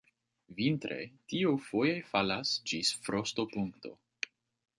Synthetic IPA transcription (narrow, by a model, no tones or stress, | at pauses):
vintɾe̞̰tiowfo̞jajfalasd͡ʒisfɾo̞sto̞puŋkto̞̰